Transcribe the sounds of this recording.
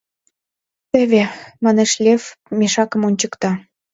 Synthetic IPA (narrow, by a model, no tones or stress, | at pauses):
t̪ĕβemɑneʃlʲefmeʃɑkə̆monʲt͡ɕəkt̪ɑ